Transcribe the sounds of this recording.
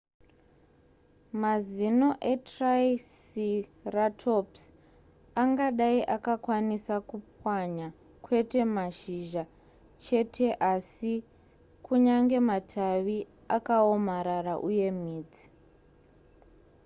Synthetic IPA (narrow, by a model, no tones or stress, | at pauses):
mazino̞ʔe̞traisiratʰops | aŋɡaɗaiʔakakwanisakupwaɲa | kwe̞te̞maʃiʒa | t͡ʃe̞tʰe̞ʔasi | kuɲaŋɡe̞matʰaʋi | akaomaɾaraʔuje̞miːd͡zi